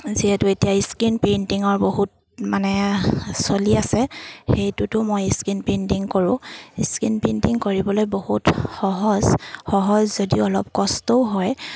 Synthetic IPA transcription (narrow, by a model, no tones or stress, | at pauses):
ziɛtʊetijaiskinpentiŋɔɹboɦut̚ | manɛsoliasɛxejtʊtʊmojiskinpentiŋkoɹʊ̃iskinpentiŋkoɹibɔlojbohutxɔɦɔzxɔɦɔzzodiʊɔlɔp̚kɔstɔʊɦɔj